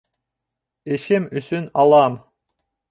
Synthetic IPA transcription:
eʃemysynɑlˠɑm

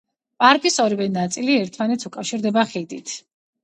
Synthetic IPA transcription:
pʼaɾkʼisɔɾivɛnat̪sʼiliɛɾt̪ʰmanɛt̪sukʼafʃiɾd̪ɛbaχid̪it̪ʰ

